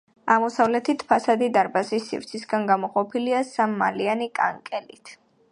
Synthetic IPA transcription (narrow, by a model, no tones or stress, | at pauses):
aʁmɔsavlɛt̪ʰit̪ʰpʰasad̪id̪aɾbazisːḭvɾt̪sʰisɡanɡamɔqʼɔpʰiliasamːa̰lianikʼa̰ŋkʼɛlit̪ʰ